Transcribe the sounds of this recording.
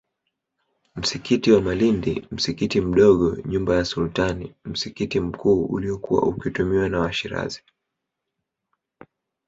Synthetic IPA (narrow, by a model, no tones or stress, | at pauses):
m̩sikitiwamalindḭm̩sikitim̩ɗɔɠɔɲumbajasultanḭm̩sikitim̩kuːṵliɔkuwa̰ʔukitumiwanawaʃiɾa̰zi̥